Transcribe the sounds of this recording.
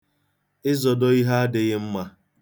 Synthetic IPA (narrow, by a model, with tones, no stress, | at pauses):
ɪ˦zɔ˨dɔ˦i˦ɦa˦a˦dɪ˨ɣɪ˦m̩˦ma˦